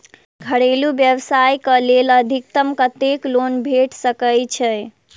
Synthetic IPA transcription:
ɡʱəɽelubjəwsajkəleləd̪ʱik̚t̪əmkət̪eklonbʱeʈsəkəjt͡ʃʰəj

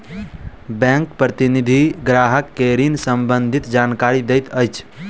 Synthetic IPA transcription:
bɛ̃ŋkpɾət̪inid̪ʱiɡɾaɦəkːeɾinsəmbənd̪ʱit̪d͡ʒankaɾid̪ejt̪əjt͡ʃʰ

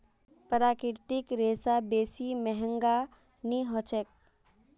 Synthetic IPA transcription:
pəɾaːkɪɾt̪ɪkɾeːsabeːsimɛɦəŋɡa | niɦɔt͡ʃʰek̚

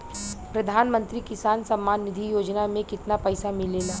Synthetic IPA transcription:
pɾɐd̪ʱaːnmə̃nt̪ɾikɪsaːnsɐmːaːnːɪd̪ʱijoːd͡ʒnamẽkɪt̪napɐɪsamɪleːlaː

